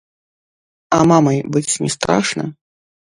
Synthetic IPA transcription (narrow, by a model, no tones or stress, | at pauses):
ɐmamɐjbɨt͡sʲnʲɛ̰st̪ɾa̰ʂnɐ̰